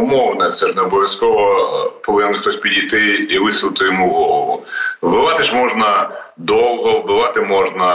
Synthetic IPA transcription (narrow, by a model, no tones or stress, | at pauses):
ʊmɔwnɐsɛʒnɛɔbɔʋʲjɐskɔʋɔpɔʋɪnnxt̪ɔsʲpʲidʲijt̪ɪːʋɪsʊlˠɪt̪ɪjɔmuɦɔlˠɔʋˠʊbɪʋɑt̪ɪʃmɔʒnɐ | d̪ɔw̪ˠɦɔʋbɪʋɑt̪ɪmɔʒnɐ